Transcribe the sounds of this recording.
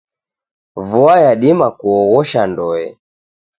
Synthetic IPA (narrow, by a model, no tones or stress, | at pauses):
vuajaɗimakuɔɣɔʃandɔɛ̰